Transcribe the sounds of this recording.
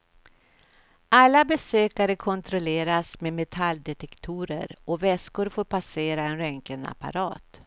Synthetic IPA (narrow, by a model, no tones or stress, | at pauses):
ʔalːabɛsøːkaɾəkʰɔnt̪ɾɔleːɾasmemɛt̪ʰalːd̪ɛt̪ɛkt̪ʰuːɾə̰ɾɔvɛskʊɾfoːɾpaseːɾaɛnɾɛŋkəna̰pa̰ɾɑ̰ːt̪